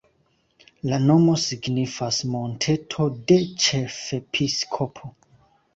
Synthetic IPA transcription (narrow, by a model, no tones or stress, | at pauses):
lano̞mo̞siɡnifasmo̞ntʰe̞tʰo̞de̞t͡ʃe̞fe̞pʰiskʰopʰo